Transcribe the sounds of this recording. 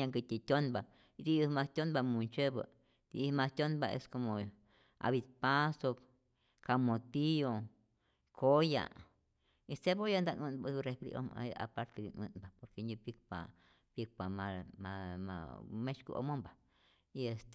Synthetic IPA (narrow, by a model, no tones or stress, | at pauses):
ãŋkit̪ʲit̪ʲonba | ɾiumãst̪ʲonbamũnt͡ʃeβə̰ | t̪imãst̪ʲonbaʔḛskomõ | a̰βit̪paso | kamõt̪io | kʰoja̰ | iseβojand̪aʔũnbarehpɾḭʔo̰ma̰a̰paɾt̪edinṵ̃nbapoɾkeɲĩbikpa̰ | bik̚pamãmãmã̰mẽt͡ʃkṵʔo̰mõmba | iest̪